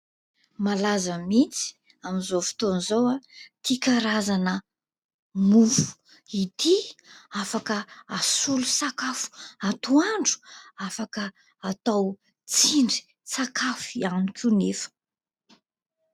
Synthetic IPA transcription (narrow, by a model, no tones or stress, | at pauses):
malazəmit͡si̥ | amizofi̥t̪onzowat̪ikaɾazanə | mufu̥ | it̪iafakəːsulusakafu̥at̪uaɳɖ͡ʐu̥afakə | at̪aw | t͡siɳɖ͡ʐi̥ | sakʰafianikʲunefə̥